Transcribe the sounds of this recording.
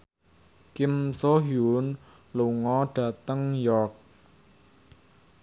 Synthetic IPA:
kɪmsoɦjun | luŋɔɖ̥ä̤t̪əŋjɔk̚

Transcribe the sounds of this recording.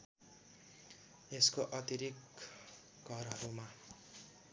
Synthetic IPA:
eskoʔʌt̪iɾik | ɡʱʌɾɦʌɾuma

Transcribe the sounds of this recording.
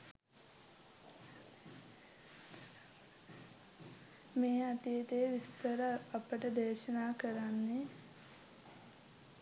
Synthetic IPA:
meːat̪ijet̪ejːʋist̪əɾəːpəʈəd̪eːʃɐnaːkəɾanːe

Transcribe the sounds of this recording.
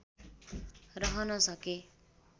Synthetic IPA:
rʌɦʌnʌsʌke

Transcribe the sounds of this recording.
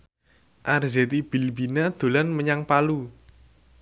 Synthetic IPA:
ʔarzet̪ib̥i̤lbinad̪̥o̤lanməɲaŋpalu

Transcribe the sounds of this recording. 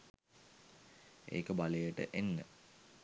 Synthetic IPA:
ḛːkəbaləjəʈə̰ʔenːə̰

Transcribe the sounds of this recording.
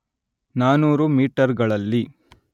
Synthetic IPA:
naːnuːɾumiːʈɐɾɡɐɭɐlːi

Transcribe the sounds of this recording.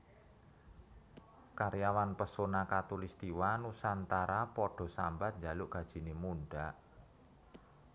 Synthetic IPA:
kaɾjawanpəsonakat̪ulist̪iwanusant̪aɾapɔɖ̥ɔ̤sambat̪̚nɲd͡ʒa̤lʊʔɡ̥a̤d̥ʒ̥i̤nemunɖaʔ

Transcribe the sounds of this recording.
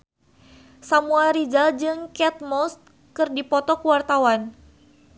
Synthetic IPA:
samuaɾid͡ʒald͡ʒɨŋkɛt̪̚mɔst̪̚ | kɨrdipɔt̪ɔkuwart̪awan

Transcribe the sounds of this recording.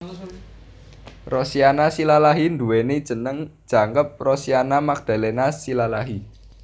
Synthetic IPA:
rosianasilalaɦind̪uwened̥ʒ̥ə̤nəŋd̥ʒ̥ä̤ŋkəp̚rɔsianamak̚d̪̥a̤lenasilalaɦi

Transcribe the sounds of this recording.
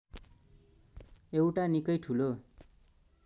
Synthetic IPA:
ewʈanikʌjʈʰulo

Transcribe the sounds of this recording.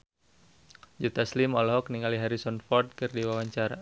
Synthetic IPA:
d͡ʒut̪aslimɔlɔɦɔk̚niŋaliɦaɾisɔnfɔrt̪̚kɨrdiwawaɲt͡ʃaɾa

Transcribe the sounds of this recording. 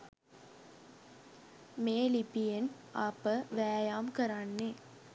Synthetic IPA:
meːlipijen | apəʋæːjaːmkəɾanːe

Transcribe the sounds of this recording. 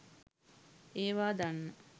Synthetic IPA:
eːʋaːd̪anːə

